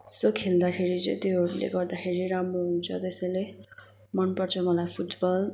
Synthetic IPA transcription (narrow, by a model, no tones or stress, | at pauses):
sokʰːeld̪akʰeɾid͡zḛt̪iɦʌɾulḛɡʌrd̪axʰeɾiɾamroɦunt͡sʰʌt̪esʌjle | mʌnpʌrt͡sʰʌmʌlajpʰuʈbʌl